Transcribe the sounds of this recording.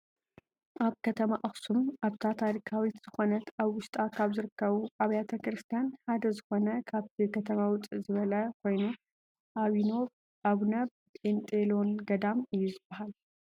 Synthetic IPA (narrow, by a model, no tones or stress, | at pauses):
ʔaβkʰɐt̪ʰɐmaʔɐxsumaβt̪ʰat̪ʰaɾikʰawit̪z̥ɨxo̞nɐt̪aβwʊʃt̪ʼakʰaβzɨɾɨkːɐβuʔaβɐjat̪ʰɐkɾɨst̪ʰijanħad̪ɐzɨxo̞nɐkʰaβt̪ʰikʰɐt̪ʰɐmawʊt̪ʼɨzɨβɐlɐkʰo̞jnu | ʔaβino̞β | ʔaβnɐβ | ent̪ʼelo̞nɡɐd̪amɨjːuzɨbːɐhal